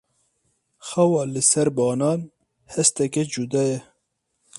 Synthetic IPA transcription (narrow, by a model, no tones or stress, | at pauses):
xɐwɑːlɨsɛɾbɑːnɑːn | hɛst̪ɛkɛd͡ʒud̪ɑːjɛ